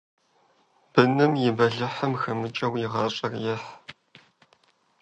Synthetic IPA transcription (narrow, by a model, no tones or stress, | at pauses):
b̥ɨnɨmjɪbɐɮɨħɐmxɐmɨt͡ʃʼɐwjɪʁɑɕʼɐrjɛħ